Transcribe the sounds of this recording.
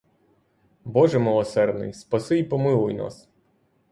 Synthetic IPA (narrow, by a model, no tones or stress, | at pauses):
bɔʒɛmɪlˠɔsɛrd̪nɪ̰jspɐsɪjpɔmɪlˠʊjna̰s